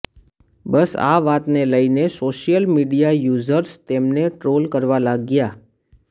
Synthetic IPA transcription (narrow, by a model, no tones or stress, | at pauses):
bəsa̰ʋat̪neləinesoʃijəlmiɖijajuzəɾst̪emneʈɾolkəɾʋalaɡja